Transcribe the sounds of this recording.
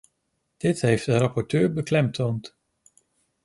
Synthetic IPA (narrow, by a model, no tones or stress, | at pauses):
d̥ɪtɦejfdərɑpɔɹtøːɹbəklɛmtʰownt